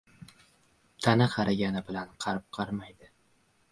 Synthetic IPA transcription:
t̪ʰanɪqʰɑɾʔaɡʲanɪbɪlanqʰɑɾp̚qʰɑɾmajd̪ɪ

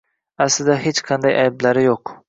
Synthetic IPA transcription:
æslɪd̪ɛɦet͡ʃqʰɑnd̪ɑjʔa̰jblaɾɪjoq

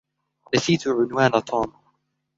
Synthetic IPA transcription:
naθiːt̪ʊʕʊnwaːnat̪ˤʰɑːma

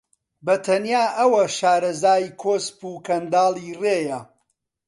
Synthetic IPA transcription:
bɐt̪ʰɐnjaːʔɐwɐʃaːɾɐzaːjikʰoːspuːkɐnd̪aːlˠiːreːjɐ

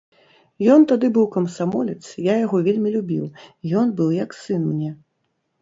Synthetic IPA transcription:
jɔnt̪ad̪ɨbɨwkɐmsamɔlʲɛt̪sjajaɣɔvʲelʲmʲilʲubʲḭwijɔnbɨwjɐksɨnmnʲɛ

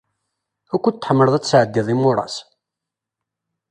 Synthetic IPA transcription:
ækʷːət̪ːəħmːəɾðˤæt͡sːsʕəd̪ːiðˤimʊɾˤɑ̰s

